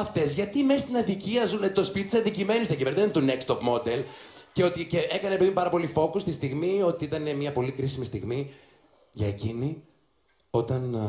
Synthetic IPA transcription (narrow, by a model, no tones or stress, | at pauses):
ɐft̪ezʝɐt̪ime̞st̪inɐðiciɐzunet̪o̞spit̪t̪isɐnd̪icime̞nist̪ɐciveɾnont̪unekst̪o̞pmo̞d̪e̞lceo̞t̪iceʔe̞kɐnepeðimpɐɾɐpo̞lifo̞kost̪ist̪iɣmio̞t̪iit̪ɐnemiɐpo̞likɾisimist̪iɣmi | ʝɐecini | o̞t̪ɐn